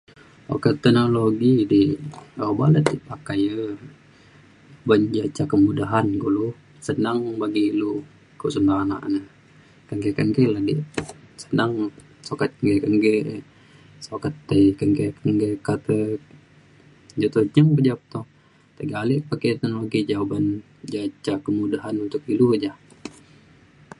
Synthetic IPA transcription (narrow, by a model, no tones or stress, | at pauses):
o̰ket̪ɛnoloɡidiobalət̪̚dipakajə | bəɲd͡ʒat͡ʃakəmudaɦankulu | sənaŋbaɡilu | kuʔsəndana̰ʔnə | kəŋɡəkəŋkəladḭʔsənaŋ | sokat̪̚kəŋɡekəŋɡə | sokat̪ːəjkəŋɡekəŋɡekat̪ə | d͡ʒot̪od͡ʒəŋpəd͡ʒap̚t̪ɔ | t̪əɡalɪʔpakenoloɡid͡ʒawaban | d͡ʒat͡ʃakəmudaɦanunt̪ʊkilud͡ʒah